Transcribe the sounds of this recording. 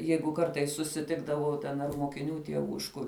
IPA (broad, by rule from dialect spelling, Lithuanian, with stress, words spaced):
ˈjɛɪɡʊ ˈkɐrtɐɪs sʊsʲɪˈtʲɪɡdɐʋɐʊ tʲɛn ɐr moːkʲɪˈnʲuː tʲiɛˈʋuː ɪʃ ˈkʊr